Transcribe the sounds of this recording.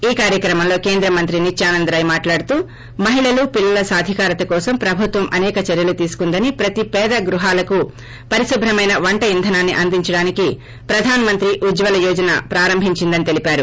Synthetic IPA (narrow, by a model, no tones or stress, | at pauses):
iːkaːɾjɐkɾɐmɐmlo̞ːkeːnd̪ɾɐmɐnt̪ɾinit͡ʃːaːnɐnd̪ɾɐːjmaːʈlaːɽut̪uː | mɐɦiɭɐlupilːɐlɐsaːd̪ʱikaːɾɐt̪ɐkɔːsɐmpɾɐbʱut̪ʋɐmʔɐnɛːkɐt͡ʃɐɾjɐlut̪iːsu̥kund̪ɐnipɾɐt̪ipɛːd̪ɐɡɾuɦaːlɐku | pɐɾisubʱɾɐmɐjnɐʋɐɳʈɐjind̪ʱɐnaːnːiʔɐnd̪iɲt͡ʃɐɽaːniki | pɾɐd̪ʱaːnɐmɐnt̪ɾiʔud͡ʒʋɐlɐjɔːd͡ʒɐna̰ːpɾaːɾɐmbʱiɲt͡ʃind̪ɐnit̪e̞lipaːɾu